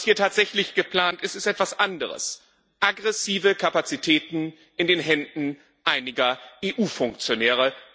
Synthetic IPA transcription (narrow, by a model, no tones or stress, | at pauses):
shiːɐtʰaːtz̥ɛçlɪçɡ̥əpl̥aːntɪstɪstʔɛtv̥asʔandəʁ̞ə̰s | ʔaɡʁɛsiːvəkʰapat͡sitʰɛːtn̩ | ʔɪndeːnɦɛndn̩ | ʔaɪnɪɡɐʔeːʔuːfʊŋk̚t͡sjonɛːʁ̞ə